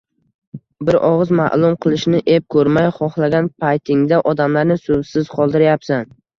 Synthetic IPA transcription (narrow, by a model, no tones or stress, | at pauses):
bɪɾʔɒʁɨzma̰ʔlˠʊmqʰɨlˠɪʃnɪʔep̚kʰɵɾmajχɒχlˠaɡʲanpʰajt̪ʰɪŋd̪aʔɒd̪amlaɾnɪsovsɪz̥qʰɒlˠd̪ɪɾjapsan